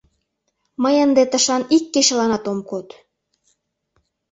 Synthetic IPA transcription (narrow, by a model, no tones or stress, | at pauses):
məjənd̪et̪əʃɑnikːeʃelɑnɑt̪omkot̪